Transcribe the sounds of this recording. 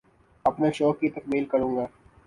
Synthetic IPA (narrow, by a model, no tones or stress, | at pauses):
ɐpneʃoːkit̪ɐkmiːlkɐɾũːŋɡaː